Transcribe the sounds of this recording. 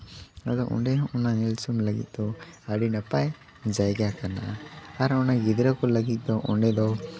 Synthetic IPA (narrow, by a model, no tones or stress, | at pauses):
ad̪ɔʔṵɳɖɛɦɔ̃ɔnanilsumləɡḭt̪̚ˀd̪ɔaɖinapaj | d͡ʒajɡjakaɾnaʔaaɾɔnaɡid̪ɾəkɔləɡit̪̚ˀd̪ɔʔɔɳɖɛd̪ɔ